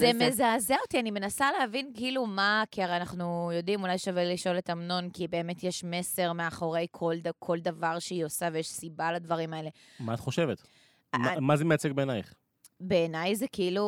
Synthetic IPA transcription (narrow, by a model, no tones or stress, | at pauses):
zemezaːzeot̪ianime̞nasaleɦavinkiilumakiaʁeanaχnujo̞dimulajʃaveliʃo̞letamno̞nkibe̞ːmetjeʃme̞se̞ʁmeaχo̞ʁe̞jkʰoldakʰo̞ldavaʁʃeiosavejeʃsibaladvaʁimae̞le̞ | maːt̪χo̞ʃevet̪ | amazemeat͡sek̚beːnajχ | be̞ːnajzekiilu